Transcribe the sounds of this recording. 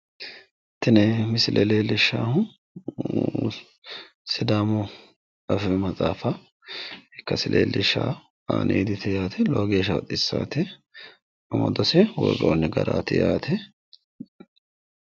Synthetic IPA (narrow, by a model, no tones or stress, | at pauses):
t̪ːɪnɛmɪsɪlʔɛleːlɪʃːaːhʊ | sɪd̪aːmɔ | ɐfɛmɐt͡sʼaːfɐ | ɪkːɐsɪlʔḛːlɪʃːa̰ | aːnʔḛːd̪ɪt̪ʰɛjaːt̪ʰɛloːɡeːʃ̬ɐwɐ̰t̪ʼɪsːaːt̪ɛ | ɐmɐd̪ɔsɛwɔro̰ːnːɪɡɐɾaːt̪ɪjaːt̪ʰɛ